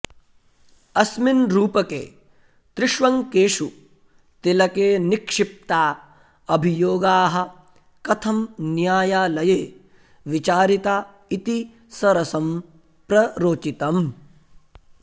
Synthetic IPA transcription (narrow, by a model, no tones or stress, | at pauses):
ɐsminɾuːpɐkḛː | t̪ɾɪʃʋɐŋkeːʂu | t̪ilɐkeːnikʂɪp̚t̪aː | ɐbʱijoːɡaːɦɐ̆ | kɐt̪ʰɐmnjaːjaːlɐjeː | ʋit͡ʃaːɾit̪aː | it̪i | sɐɾɐsɐm | pɾɐɾoːt͡ʃit̪ɐm